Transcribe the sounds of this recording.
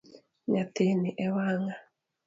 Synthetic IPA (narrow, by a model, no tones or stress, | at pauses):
ɲat̪eniʔɛwaŋa